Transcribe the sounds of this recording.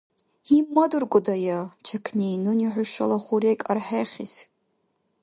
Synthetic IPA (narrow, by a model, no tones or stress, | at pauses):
imːadɨrɡʷʊdajat͡ʃʰakʰnejnɨniħʷʊʃalaχʷuɾekʼarħejχʲiz